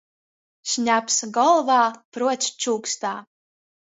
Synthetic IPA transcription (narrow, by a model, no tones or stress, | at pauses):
ʃɲʲapsɡɔlˠvaːpɾuɔt̪st͡ʃuːkst̪aː